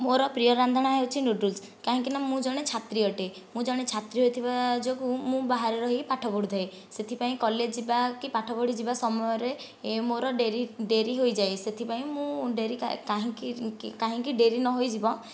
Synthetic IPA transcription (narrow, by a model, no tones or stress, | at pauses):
moɾɔpɾiɔɾand̪ʱɔɽ̃aɦewt͡ʃʰinuɖuls | kaɦĩkinamũd͡ʒɔɽ̃et͡ʃʰat̪ɾiɔʈe | mũd͡ʒɔɽ̃et͡ʃʰat̪ɾiɦojt̪ʰibad͡ʒokũmũbaɦaɾeɾɔɦikipaʈʰɔbɔɽud̪ʰʱae | set̪ʰipaĩkɔled͡ʒd͡ʒibakipaʈʰɔbɔɽ̤id͡ʒibasɔmɔjɔɾe | moɾɔɖeɾiɖeɾiɦojd͡ʒaejset̪ʰipaĩmũɖeɾika̰kaɦĩkikaɦĩkiɖeɾinɔɦojd͡ʒibɔ